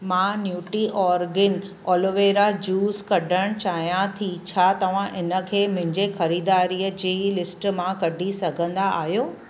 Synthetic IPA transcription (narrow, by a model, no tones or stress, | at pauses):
mãnjuːʈiʔɔːɾɡɪn | ɔːlɪʋeːɾad͡ʑuːzkɐɖʱəɽ̃t͡ɕaːɦijãt̪ʰit͡ɕʰaːt̪ɐʋ̤ãʔɪnə̆kʰeːmʊ̃ɦɪ̃ɲd͡ʑexɐɾiːd̪aːɾiːəd͡ʑiːlɪsʈmãkɐɖʱisɐɡʱə̃nd̪aʔaːɦjoː